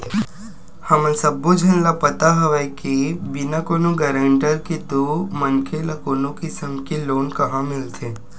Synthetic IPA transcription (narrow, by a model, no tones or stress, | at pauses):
həməsəbũd͡ʒʱənlapət̪aɦəʋekibinakonũɡəɾəɳʈəɾkit̪umənkʰeləkonõkisəmkiloːnkəɦãmɪlt̪ʰe